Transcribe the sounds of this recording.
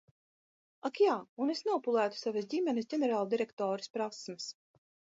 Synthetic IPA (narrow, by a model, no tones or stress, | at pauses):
akjaːunesnɛɔpulˠæːt̪u̥savɨs̬dʲimʲɛnɨsɟʲenɛɾaːlˠd̪iɾɛkt̪ɔːɾispɾasmɨs